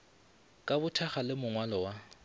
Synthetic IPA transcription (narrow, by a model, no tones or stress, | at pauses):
kʼabʊtʰaχalɪmʊŋwalɔwa